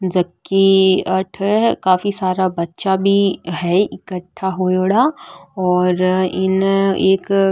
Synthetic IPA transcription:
d͡ʒɐkːiɐʈʰkaːfisaːɾabɐtːʃabʱiɦɛɪkəʈʰːaɦoːjoːɽaɔːɾɪneːk

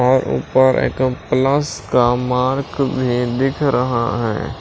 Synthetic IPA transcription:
ɔːɾṵːpəɾḛːkpləskamaːɾkbʱid̪ɪkʰɾəɦa̰ɦɛ̰ː

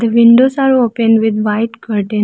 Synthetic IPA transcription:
d̪əʋiɳɖosaɾopənɖʋɪd̪ʋaɪʈkəɾʈə̃n

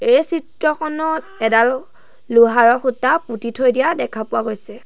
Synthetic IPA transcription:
esitɹɔxɔnɔt̚ɛdaɹ | luɦaɹɔxutːaputitʰojdijadɛkʰapʊwaɡojsɛ

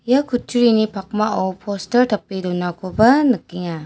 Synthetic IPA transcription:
jakʰut͡ʃʰuɾinipʰak̚maʔawpʰostɐɾtʰɐpːidɔnakʰobɐnɯkːiŋa

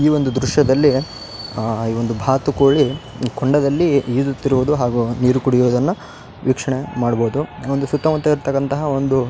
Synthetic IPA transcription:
iːʋo̞nd̪ud̪ɾuʂjɐd̪ɐlːi | iːʋond̪ubʱaːt̪ukoːɭi | koɳɖɐd̪ɐlːiiːd͡ʒut̪ːiɾuʋud̪uɦaːɡuniːɾukuɽijuʋd̪ɐnːu | ʋiːkʂɐɳemaːɽboːd̪uʋond̪usut̪ːɐmɐt̪ːɐiɾt̪ɐkːɐnt̪ɐɦɐo̞nd̪u

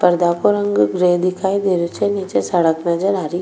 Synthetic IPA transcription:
pəɾd̪akoɾəŋɡɡɾed̪ɪkʰaːid̪eɾut͡ʃenit͡ʃesɐɽəknɐd͡ʒəɾaɾi

